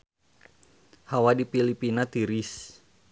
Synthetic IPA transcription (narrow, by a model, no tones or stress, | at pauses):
hawadipilipinat̪iɾis